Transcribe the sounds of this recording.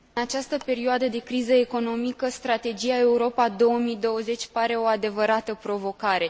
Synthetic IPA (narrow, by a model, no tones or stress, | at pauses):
ɨnat͡ʃast̪əpe̞ɾioad̪əd̪e̞kɾizəe̞ko̞no̞mikəst̪ɾat̪e̞d͡ʒijae̞uɾo̞pad̪o̞wəmid̪o̞wəze̞t͡ʃʲpaɾe̞o̞ad̪e̞vəɾat̪əpɾo̞vo̞kaɾe̞